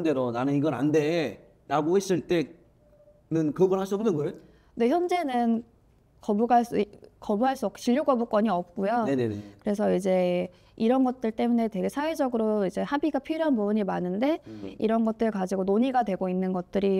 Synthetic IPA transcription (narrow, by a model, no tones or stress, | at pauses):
nde̞ɾonanɯniɡʌɾa̰nde̞ | ɾaɡohes͈ɯɭt͈e̞ | nɯnkɯbʌnhaɭs̬uʌmnɯnɡʌe | ne̞çjʌnd͡ʑe̞nɯn | kʌbuɡaɭs͈kʌbuɦaɭs͈uʌkʰɕiʎːjuk͈ʌbuk͈ʌɲiʌp̚k͈ujone̞nenḛkɯɾe̞sʰʌid͡ʑe̞ | iɾʌnɡʌt̚t͈ɯɭt͈e̞mune̞twe̞ɡe̞sʰawe̞d͡ʑʌɡɯɾoid͡ʑe̞habiɡapʰiɾjoɦanbubɯɲimanɯnde̞ḭɾʌnɡʌt̚t͈ɯɯɭkad͡ʑiɡonoɲiɡadwe̞ɡoinːɯnɡʌt̚t͈ɯɾi